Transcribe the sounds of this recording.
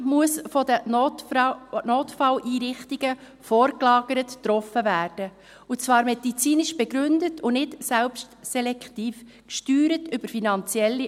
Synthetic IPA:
muəsfɔdə | noːtfɑlʔiːɾɪχtiɡ̥ə | fɔːɾklɑːɡ̥əɾəttːɾɔfəvæːɾd̥ə | ʊt͡svɑːɾmɛdit͡siːnɪʃb̥eɡɾʏndətʰʊnɪtsɛlpstsɛlɛktiːf | kʃtyːɾətʏb̥əɾfinɑnt͡sjɛlːi

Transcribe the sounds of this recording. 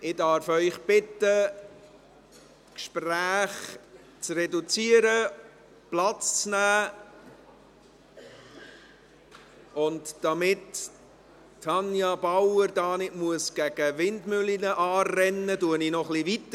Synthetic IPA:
ʔɪdɑɾfœʏχb̥ɪtːə | kʃpræːχ | t͡srɛdut͡siəɾə | plɑt͡st͡snæː | ʊndd̥ɑmɪtː | ɑnjɑb̥awəɾdɑːnɪʔmuəsɡ̥æɡ̥əvɪndmʏlinəʔɑːɛnːəduəninɔχlivit̪ə

